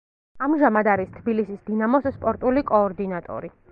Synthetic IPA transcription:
amʒamad̪aɾist̪ʰbilisisd̪inamɔsspʼɔɾt̪ʼulikʼɔːɾd̪inat̪ʼɔ̰ɾi

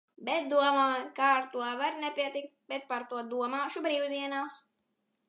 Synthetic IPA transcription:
bɛt̪̚d̪uɔmaːkaːɾt̪uɔvaɾnɛpʲiɛt̪ik̚t̪̚bɛt̪̚paɾt̪uɔd̪uɔmaːʃubɾiːwd̪iɛnaːs

